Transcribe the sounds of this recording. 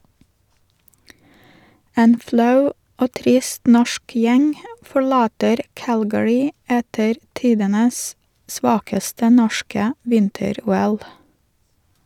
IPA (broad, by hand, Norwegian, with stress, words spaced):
ˈeːn ˈflɑʉ ˈoː ˈtɾɪst ˈnɔʃk ˈjɛŋ fɔɹˈlɑːtəɾ ˈkælɡəɹɪ ˈɛtəɾ ˈtiːdənəs ˈsʋɑːkəstə ˈnɔʃkə ˈʋɪntəˌɾuːɛl